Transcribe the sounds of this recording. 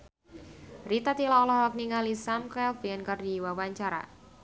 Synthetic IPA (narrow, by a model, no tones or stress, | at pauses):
rit̪at̪ilaɔlɔhɔk̚niŋalisamkɛlfiənkərdiwawaɲt͡ʃaɾa̰